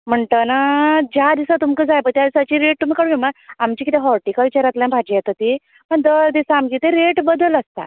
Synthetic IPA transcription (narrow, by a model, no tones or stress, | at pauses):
m̤əɳʈ̪ənad͡ʑjad̪isat̪umkəd͡zajpət̪jad̪isat͡ɕiɾeʈ̚t̪um̤ikəɽuʋimaamt͡ɕiːkit̪ɛɦɔɾʈikaʋit͡ɕaɾat̪ljãbʱad͡ʑijɛt̪ət̪i | mənd̪əd̪isaːmɡit̪eɾeʈbəd̪ələst̪a̰